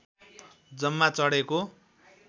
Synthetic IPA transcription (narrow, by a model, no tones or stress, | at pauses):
d͡zʌmːat͡sʌɽeko